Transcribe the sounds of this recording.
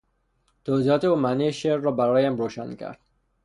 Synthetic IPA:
t̪ʰoːziːɒːt̪ʰeoːmænejeʃeɾːɒːbæɾɒːjæmɾoːʃæ̰ncʰæ̰ɾd̪̥

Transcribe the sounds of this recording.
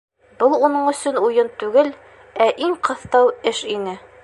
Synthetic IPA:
bɤlˠunɤɴɵ̆sɵnujɤnt̪ʉɡɘl | æʔiŋqɤ̆θt̪ɑwɘʃinɘ

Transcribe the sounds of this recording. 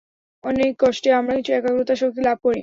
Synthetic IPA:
ɔnekːɔʃʈeamɾakit͡ɕʰuɛkaɡɾut̪aʃok̚t̪ilab̚kɔɾḭ

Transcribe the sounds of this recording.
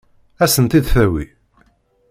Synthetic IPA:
æsənt̪id̪θæwḭ

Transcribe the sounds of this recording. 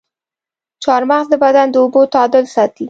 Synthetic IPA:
t͡ʃɑɾmɑχd̪əbad̪and̪əobot̪ɑd̪əlsɑt̪i

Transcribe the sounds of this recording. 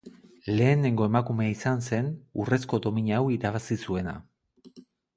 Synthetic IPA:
le̞ːne̞ŋɡo̞e̞makume̞aisanse̞nure̞sko̞d̪o̞miɲawiɾaβasisue̞na̰

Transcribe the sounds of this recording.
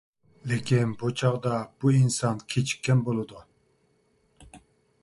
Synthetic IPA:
lekʲʰinbut͡ʃʰɑʁd̪ɑb̥uinsɑnkʲʰet͡ʃʰi̥kʲːɛnbolˠɨd̪u

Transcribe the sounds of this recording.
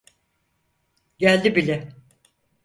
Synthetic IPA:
ɟælʲd̪ibilʲɛ

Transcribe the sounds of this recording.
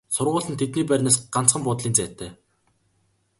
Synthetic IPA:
sʊrʁʊːɮə̆nt̪ʰet̪niːpæɾʲneːsɢan̥t͡sχə̆mpʊːt̪ɮiːnt͡sæːt̪ʰæː

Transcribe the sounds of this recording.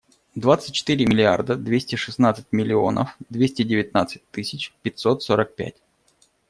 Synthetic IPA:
d̪vat̪sɨt̚ʲt͡ɕːɪ̥t̪ɨɾʲɪmʲɪlʲɪa̰rd̪əd̪vʲesʲtʲɪʂɨsnat̪sɨ̥tʲmʲɪlʲɪo̞̰nʔə̰fd̪vʲesʲtʲɪdʲɪvʲɪt̪nat̪sɨ̥t̚ʲt̪ɨsʲɪt͡ɕpʲɪtʲso̞t̪soɾək̚pʲæ̰tʲ

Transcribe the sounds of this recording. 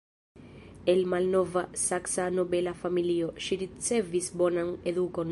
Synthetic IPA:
elmalnovasaksanobelafamilioʃiɾit̪sevisbonaŋeðukon

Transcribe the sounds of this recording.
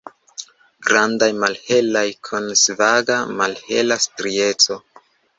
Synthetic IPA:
ɡɾandajmalhe̞lajkʰonsvaɡamalhe̞̰lastɾie̞t͡so̞

